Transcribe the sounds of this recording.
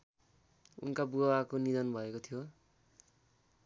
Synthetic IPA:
ṵnkabuakonid̪ʌnbʱʌekot̪ʰijo

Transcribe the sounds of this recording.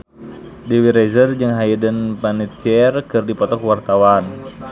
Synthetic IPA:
dewiɾɛzərd͡ʒɨŋɦajədənpanit͡ʃɛrkɨrdipɔt̪ɔkwart̪awan

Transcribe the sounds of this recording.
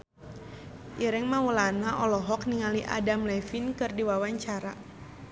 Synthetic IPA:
ʔiɾɛŋmawulanaʔɔlɔɦɔkniŋaliʔa̰damlɛfinkɨrdiwawaɲt͡ʃaɾa

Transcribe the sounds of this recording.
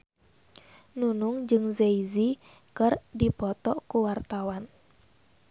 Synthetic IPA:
nunuŋd͡ʒɨŋzeizi | kɨrdipɔt̪ɔkuwart̪awan

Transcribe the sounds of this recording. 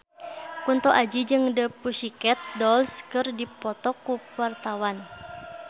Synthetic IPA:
kunt̪ɔʔad͡ʒid͡ʒɨŋdəpuʃikɛt̪̚dɔlskɨrdipɔt̪ɔkuuwart̪awan

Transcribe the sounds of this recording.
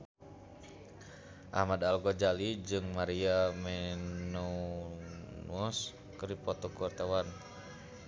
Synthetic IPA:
ʔa̰hmadalɡɔd͡ʒalid͡ʒɨŋmaɾiamɛnɔ | nuɔs | kɨɾipɔt̪ɔkuart̪awan

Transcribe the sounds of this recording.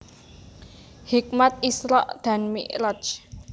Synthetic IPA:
hik̚mat̪̚isɾɔʔd̪̥ä̤nmḭʔɾɔt͡ʃ

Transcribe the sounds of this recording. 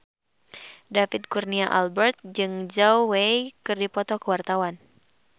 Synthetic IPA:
dafid̪̚kurniaʔa̰lbɛrt̪̚d͡ʒɨŋd͡ʒawwejkɨrdipɔt̪ɔkəwart̪awan

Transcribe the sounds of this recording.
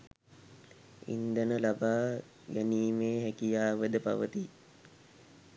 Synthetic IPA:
ḭnd̪ənəlabaː | ɡæniːmeːɦækijaːʋəd̪əpa̰ʋət̪i

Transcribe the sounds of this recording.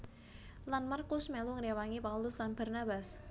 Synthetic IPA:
lanmarkʊsmɛluŋəɾewaŋipaulʊslanba̤rnabas

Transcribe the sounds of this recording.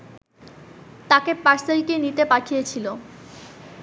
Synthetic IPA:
t̪akepaɾselkinit̪epaʈʰijet͡ɕʰilo

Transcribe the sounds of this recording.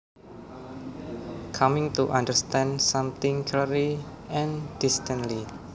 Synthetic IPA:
kʰamɪ̃ŋt̪uʔandəɾst̪ɛ̃ndsãmt̪ɪ̃ŋkʰlɛɾli | ɛ̃nd̥ist̪ə̃nli

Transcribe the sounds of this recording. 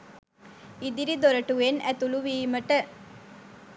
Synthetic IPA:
id̪iɾid̪ɔɾɐʈːuenɛt̪uluʋimɐʈːɐ

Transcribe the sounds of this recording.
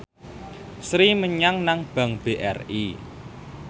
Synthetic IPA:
sɾiməɲaŋnaŋb̥ä̤ŋb̥eʔɛ̰ri

